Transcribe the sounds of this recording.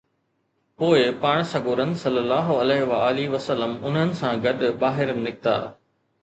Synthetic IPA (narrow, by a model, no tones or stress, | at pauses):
poːɪpaːɽ̃sɐɡoːɾənsɐlːəlːaːɦoɐleːɦʋaaːliʋɐsəlːəmʊnɦənɪ̆sãɡɐɗbaːɦɪɾənɪ̆ːɪk̚t̪a̰ː